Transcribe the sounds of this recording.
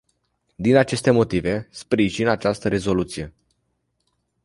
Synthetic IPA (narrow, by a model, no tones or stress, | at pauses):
d̪inat͡ʃe̞st̪e̞mo̞t̪ive̞spɾiʒinat͡ʃast̪əɾe̞zo̞lut̪sije̞